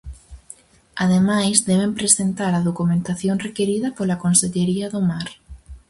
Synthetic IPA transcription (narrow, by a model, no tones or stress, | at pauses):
aðemajzðɛβempɾesent̪aɾɐðokumẽnt̪aθjoŋrekeɾiðɐpolakõnseʎeɾiɐðʊmaɾ